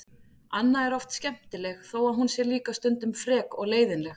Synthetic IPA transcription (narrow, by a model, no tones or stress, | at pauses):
anːaɛɾɔft̪scɛm̥t̪ɪlɛxθowaðɦunsjɛɾliːkast̪ʏnt̪ʏmfɾɛːkɔɣleːjðɪnlɛx